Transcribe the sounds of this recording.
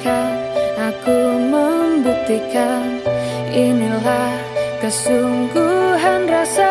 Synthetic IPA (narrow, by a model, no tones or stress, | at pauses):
kaakuməmbut̪ika | inila | kəsuŋɡuɦanrasa